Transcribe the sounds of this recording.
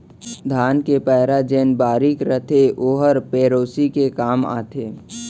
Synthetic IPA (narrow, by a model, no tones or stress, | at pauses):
d̪ʱaːnkepɛːɾad͡ʒeːnbaːɾikɾət̪ʰeʔoːɦəɾpeːɾoːsikekaːma̰ːt̪ʰeː